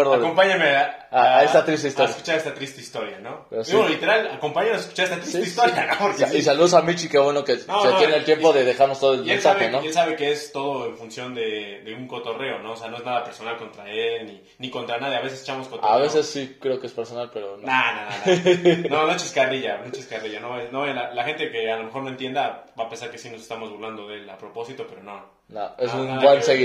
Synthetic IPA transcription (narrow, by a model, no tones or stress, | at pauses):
eɾðaðkompaɲameaesst̪at̪ɾist̪eist̪oeɾjsku̥t͡ʃaɾest̪at̪ɾist̪eist̪oɾjanopeɾosiolit̪e̞ɾalako̞mpaɲenoseskut͡ʃaɾest̪at̪ɾisieist̪oɾjanoisaluðosamit͡ʃikeβwe̞no̞kenonatojenelt̪je̞mpo̞ðeðexaɾnost̪oðoeesaβenoelsaβekeest̪o̞ðoeɱfunsjo̞nd̪e̞ðe̞uŋkot̪ore̞ono̞oseano̞e̞znaðapeɾsonalko̞nt̪ɾaelni | niko̞nt̪ɾanaðjaβe̞s̬ese̥t͡ʃamoskoaβe̞se̞sːikɾe̞okeespe̞ɾso̞nalpe̞ɾonnanan | nonot͡ʃiskariʝanot͡ʃiskariʝanoenoelalaxe̞nt̪e̞kealomexo̞ɾnoent̪je̞nd̪abapensaɾkesinosest̪amo̞zβuɾland̪o̞ðe̞lapɾo̞po̞sit̪o̞pe̞ɾono | naesunbwanseɣi